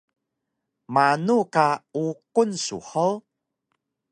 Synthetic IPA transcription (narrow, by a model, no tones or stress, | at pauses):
manukaukunsṵħəw